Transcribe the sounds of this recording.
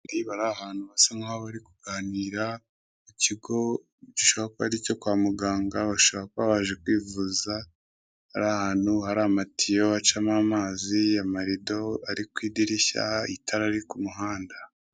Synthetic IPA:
ɾiβaɾahaːn̥huβasaŋaoβaɾikuɡ̥aːniːɾa | muciɡo̞ | ciʃo̞βakoaɾico̞kwaːmuɡaːŋɡaβaʃo̞βakoβaβaʒe̞kwiːvuza | haɾahaːn̥huhaɾamatijo̞at͡ʃamamaːziamaɾido̞aɾikwiːdiɾiça̰ḭtʰaɾaɾikumuɦaːnda

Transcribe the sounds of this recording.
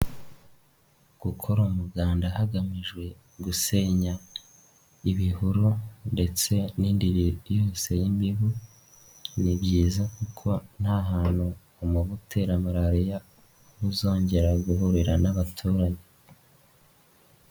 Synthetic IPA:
ɡ̥ukʰo̞ɾomuɡaːndahaɡamiʒɡwe̞ | ɡuse̞ɲa | iβihuɾunde̞t͡se̞niːndiɾijoːse̞jimbiɦu | nibɟiːzakukʰo̞n̥haɦaːn̥huː | muβutʰe̞ɾamuɾaɾija | βuzo̞ːɲɟe̞ɾaɡuɦuɾiɾanaβatʰuːɾaɲe

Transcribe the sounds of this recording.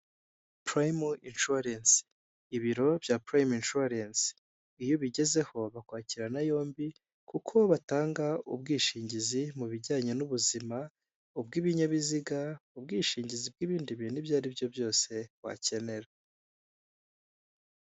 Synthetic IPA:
pɾajminʃuɾens | iβiɾo̞bjapɾajminʃuaɾens | ijoβiɟe̞ze̞ho̞βakwaːciɾanajo̞ːmbi | kukʰo̞βataːŋɡaṵb̚ɡiːʃiːɲɟizimuβiɟaːɲenuβuzima | ubɡiːβiɲaβiziɡaubɡiːʃiːɲɟizib̚ɡiβiːndiβinibjaːɾibjo̞bjo̞ːse̞βwa̰ce̞ne̞ɾa

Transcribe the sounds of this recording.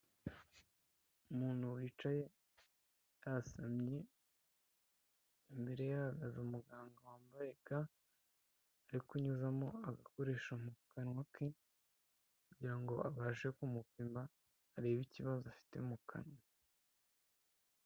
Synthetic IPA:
umuːn̥huwiːt͡ʃaje̞ | jasamɲe | mbe̞ɾe̞jahaɡazaumuɡaːŋɡawaːmbaɾeka | ɾikuɲuzamo̞aɡako̞ɾe̞ːʃamukanwaki | kuɟiɾaŋɡo̞aβaːʒekumupimbaː | ɾeːβiciβazoafi̥te̞umukʰa̰nwa

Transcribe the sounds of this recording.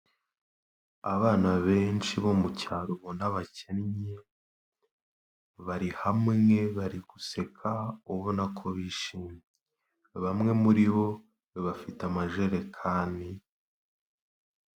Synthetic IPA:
aβaːnaβe̞ːnt͡ʃiβomucaɾuβonaβacenɲe | βaɾihamŋe̞βaɾiɡ̥use̞kʰaoβonakʰoβiːʃiːmɲe | βamŋe̞muɾiβo̞ | βiβafitamaʒeɾe̞kʰaːndi

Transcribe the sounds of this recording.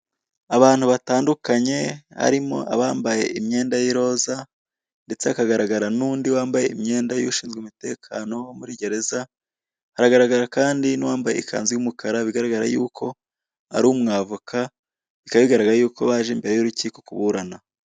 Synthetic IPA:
aβaːn̥huβataːndukaɲe̞ha̰ɾimo̞̰ʔa̰βaːmbaje̞imɲe̞ːndajiɾo̞ːza | nde̞t͡seakaɡaɾaɡaɾanuːndiwaːmbaje̞imɲe̞ːndajuʃiːnzɡeumite̞ːkʰaːno̞muɾiɟe̞ɾe̞za | haɾaɡaɾaɡaɾakaːndiniwaːmbajeikʰa̰ːnzejumukʰaɾaβiɡaɾaɡaɾa̰juːkʰo̞ | a̰ɾumŋaːvukʰa | βikaβiɡaɾaɡaɾajuːkoβaːʒeːmbeɾejuɾuciːko̞kuβuɾana

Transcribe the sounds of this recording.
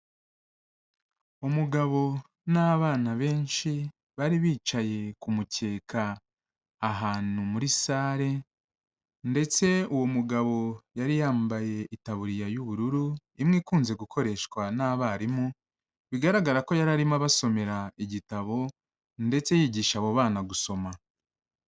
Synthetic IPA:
omuɡaβo̞ | naːβaːnaβe̞ːnʃi | βaɾiβiːt͡ʃaje̞kumuce̞ːkʰaː | ɦaːn̥umuɾisaːɾe̞ | nde̞t͡se̞uwo̞muɡaβo̞jaɾijaːmbaje̞itaβuɾijajuβuɾuɾu | imŋiːkuːnze̞ɡukʰo̞ɾe̞ʃkwanaːβaɾimu | βiɡaɾaɡaɾako̞jaɾaɾimaβaso̞me̞ɾaiɟitaβo̞ | nde̞t͡se̞jiːɟiːʃaβoβaːnaɡuso̞ma

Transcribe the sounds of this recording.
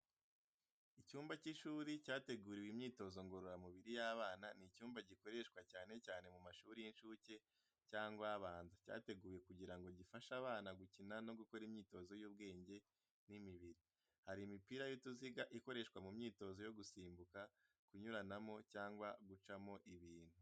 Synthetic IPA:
icuːmbaciʃuːɾicaːte̞ɡuːɾiwimɲiːto̞zo̞ŋɡo̞ɾo̞ɾamuβiɾijaːβaːnanicuːmbaɟiko̞ɾe̞ʃkwacaːne̞caːne̞mumaʃuːɾijinʃuːce̞ | caːŋɡwaβaːnzaca̰ːte̞ɡuːje̞kuɟiɾaŋɡo̞ɟifaʃaβaːnaɡucinano̞ɡuko̞ɾimɲiːto̞zo̞juːbɡe̞ːɲɟe̞ | nimiβiɾi | haɾimipiːɾajotuziɡaʔiko̞ɾe̞ʃkwamumɲiːto̞zo̞jo̞ɡusiːmbuka | kuɲuɾanamo̞caːŋɡwaɡut͡ʃamo̞ʔiβiːn̥hu

